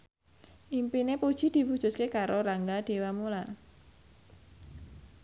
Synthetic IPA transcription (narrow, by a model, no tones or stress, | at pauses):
ʔimpinepud̥ʒ̥i̤d̪̥i̤wu̥ʒ̥ʊ̤t̪̚kekaɾoɾaŋɡad̥e̤wamula